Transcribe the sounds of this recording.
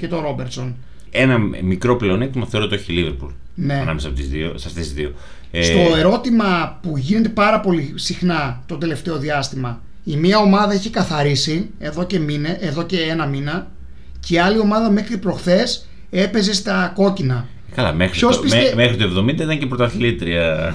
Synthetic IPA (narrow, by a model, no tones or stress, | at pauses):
ce̞t̪o̞ɾo̞beɾt̪so̞n | e̞nɐmikɾo̞ple̞o̞net̪imɐθeɾot̪eoçiliveɾpṵl | neeɐnɐ̰mesɐpot̪izðio̰sɐft̪esizðio | est̪o̞e̞ɾo̞t̪imɐpuʝine̞t̪e̞pɐɾɐpo̞lisixnɐt̪o̞d̪e̞le̞ft̪e̞o̞ðiɐst̪imɐ | imiɐo̞mɐðɐeçekɐθɐɾisieðo̞cemineʔeðo̞ceenɐminɐ | ciɐlio̞mɐðɐme̞xɾipɾo̞xθe̞s | e̞pe̞ze̞st̪ɐko̞cinɐ | kɐlɐ̰mexɾiosspisemexɾit̪uevðo̞mind̪ɐit̪ɐnɲcepɾot̪ɐθilit̪ɾiɐ